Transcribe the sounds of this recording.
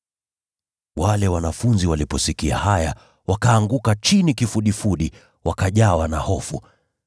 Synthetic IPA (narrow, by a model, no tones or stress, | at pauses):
walɛwanafunziwalipɔsikia̰haja | wakaːŋɡukat͡ʃinikifuɗifuɗi | wʔakaʄawanahɔfṵ